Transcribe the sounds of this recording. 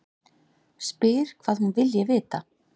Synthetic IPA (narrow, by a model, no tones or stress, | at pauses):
spɪːɾ̥kʰv̥aːðhunvɪljɛvɪːt̪a